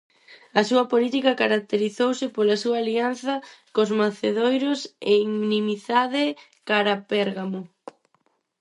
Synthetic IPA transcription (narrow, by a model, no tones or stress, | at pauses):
ɐsuɐpolit̪ikɐkaɾak̚t̪eɾiθowsɪpolɐsuɐːlianθɐkozmaθeðojɾoseŋnimiθaðɪ | kaɾapɛɾɣamo